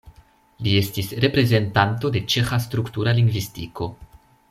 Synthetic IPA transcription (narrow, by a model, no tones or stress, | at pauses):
lie̞stisɾe̞pɾe̞ze̞ntanto̞de̞t͡ʃe̞xastɾuktuɾaliŋɡvistiko̞